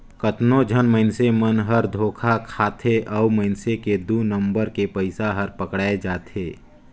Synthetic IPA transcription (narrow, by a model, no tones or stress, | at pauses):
kət̪nod͡ʒʱənməɪnsemənɦəɾd̪ʱoːkʰakʰaːt̪ʰeʔɔwməɪnseked̪uːnə̃mbəɾkepəɪsaɦəɾpəkɽaːed͡ʒaːt̪ʰeː